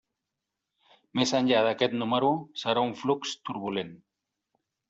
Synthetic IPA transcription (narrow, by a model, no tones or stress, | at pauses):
mesaɲʎaðaket̪numaɾusaɾaɱflukst̪uɾβulen